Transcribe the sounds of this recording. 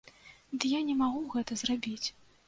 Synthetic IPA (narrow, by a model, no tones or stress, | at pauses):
d̪ɨjanʲɛmaɣuɣɛt̪ɐzrabʲit͡sʲ